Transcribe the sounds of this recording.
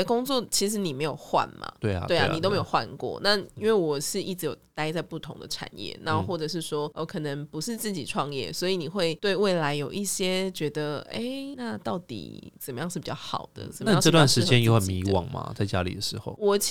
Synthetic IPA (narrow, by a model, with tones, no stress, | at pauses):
ə˨˧kʊ˥ŋt͡swɔ˥˨˩t͡ɕʰi˧˥ʂ̬ɻ̩˧˥ni˨˩me˧˥ɪjo˨˩xwa̰˥˨nma̰˩t̪we˥˩˨we˥˩a̰˨i˨t̪o˥ʊme˧jo˨˩xwa̰˥˧nkwɔ̰˥˩na˥˨i˥nwe˥˩ɪwɔ˨˩ʂɻ̩˥˧i˥˩ʈ͡ʂɻ̩˥jo˨˩ʊt̪a˥ɪt͡sa˥˧ɪpu˥˩t̪ʰo˧˦ŋd̪ə̰˨ʈ͡ʂʰa̰˨˩njɛ̰˥˩na˧˦˥xwɔ˥˩ʈ͡ʂɤ˨˩ʂ̬ɻ̩˥˩ʂwɔ˥o˧˩kʰɤ˨˩nə˧˦ŋpu˧˦ʂɻ̩˥˧t͡sɹ̩˥˩t͡ɕi˨˩ʈ͡ʂʰwɑ˥˧ŋjɛ̰˥˩swɔ˧˥i˨ni˨˩xwe˥˧ɪt̪we˥˧ɪwe˥˩ɪla˧˥ɪjo˨˩ʊʔi˥˩ɕjɛ˥t͡ɕɥɛ˧˥d̪ə˧e˥ɪna˥˧t̪ɑ˥˩ʊt̪ḭ˨˩t͡sə˨˩nmə˦jɑ˥˧ŋʂɻ̩˥˩pi˨˩t͡ɕjɑ˥˩xɑ̰˨˩ʊd̪̥ə̰˦ə˨˩˨ə˥˧˥ʈ͡ʂɤ˥˧t̪wa˥˨nʂɻ̩˧˥˧t͡ɕjɛ˦njo˧˦xə˨˩nmi˧˥wɑ̰˨˩ŋmɐ̰˩t͡sa˥˧ɪt͡ɕja̰˦˥lḭ˨˩d̪ə˩ʂɻ̩˧˦xo˥˧ʊwɔ˨˩